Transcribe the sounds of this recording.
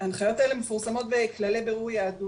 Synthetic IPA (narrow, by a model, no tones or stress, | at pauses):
anχajo̞telemefuʁsamo̞t̪veklalebeʁujaːdu